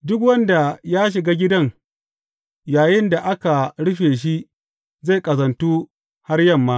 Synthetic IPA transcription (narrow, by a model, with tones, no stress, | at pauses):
dʊ˦k̬wɐ˦nda˨jaː˦ʃ̬ɪ˨ɡaː˦ɡʲɪ˦dɐ˦ŋ | jaː˨jɪ˦nda˨ʔa˦ka˨ɽʊ˦ɸeː˨ʃ̬i˦ʔ | za˦˨kʼɐ˨zɐ˨ntuː˦ | ha˦rjɐ˦˨mːaː˦